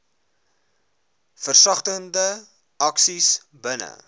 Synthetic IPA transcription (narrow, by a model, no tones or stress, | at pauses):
fərsɐχtəndə | ɐksis | bənə̰